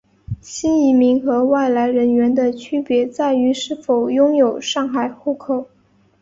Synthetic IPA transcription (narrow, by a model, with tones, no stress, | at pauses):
ɕi˥ni˧˥mi˧˥ŋxɤ˧˥wa˥˩ɪla˧˥ɪɻə˧˥nɥɛ˧˥nd̪ə˧t͡ɕʰy˥pjɛ˧˥t͡sa˥˩ɪy˧˥ʂɻ̩˥˩fo˨˩ʊjʊ˥ŋjo˨˩ʊʂɑ˥˩ŋxa˨˩ɪxu˥˩kʰo˨˩˦ʊ